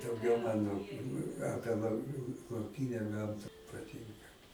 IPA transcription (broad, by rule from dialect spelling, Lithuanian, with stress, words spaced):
dɐʊˈɡʲɛʊ ˈmɑːnoː ˈɑːpʲiɛ lˠɐʊ lˠɐʊˈkʲɪnʲɛ ˈɡɐmtɐ pɐˈtʲɪŋkɐ